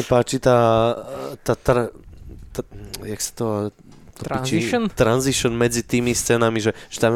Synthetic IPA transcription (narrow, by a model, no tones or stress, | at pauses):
apaːt͡ʃit̪aː | t̪at̪ɾat̪ajaksḁt̪ɔ | t̪ɔpit͡ʃint̪ɾanziʃɔnmɛd͡zit̪iːmist͡sɛːnamiʒɛʒɛt̪am